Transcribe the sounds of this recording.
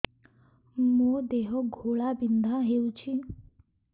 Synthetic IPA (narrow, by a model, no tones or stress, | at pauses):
mod̪eɦoɡʱoɭabind̪ʱaɦeut͡ʃʰi